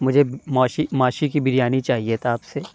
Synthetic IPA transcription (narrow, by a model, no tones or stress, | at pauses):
mʊd͡ʒʱemaːʃimaːʃikibɪɾjaːnit͡ʃaːɦiet̪oaːpse